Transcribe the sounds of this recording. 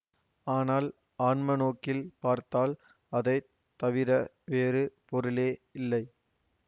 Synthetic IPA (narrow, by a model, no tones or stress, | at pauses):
aːnaːl | aːɳmɐnoːkɪlpaːɾt̪aːl | ɐðɐɪ | t̪ːɐʋɪɾɐ | ʋeːɾɯpɔɾɯleːɪlːɐɪ